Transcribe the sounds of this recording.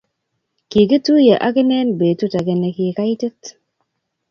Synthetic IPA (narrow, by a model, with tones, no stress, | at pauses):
ki˨kə˦tu˦je˨ʔa˦kɪ˦nɛ˦nbe˨tu˦ta˨ɡe˨ne˨ki˨ka˦i˦tə˦t